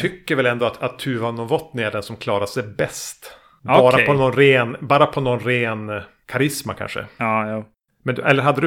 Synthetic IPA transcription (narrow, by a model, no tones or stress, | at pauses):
t̪ʰʏkːəɾvɛlɛnd̪ɔat̪at̪ʰːʉːvanɔvɔt̪ːnɛɖɛnsɔmkʰlɑːɾaʂɛjbɛst̪ | bɑːɾaɔnɔnɾeːnbɑːɾapʰɔnɔnɾeːn | kʰaɾɪsma̰kʰa̰nʂə̰ː | mɛnd̪ʔɛlːəɾɦad̪ːəd̪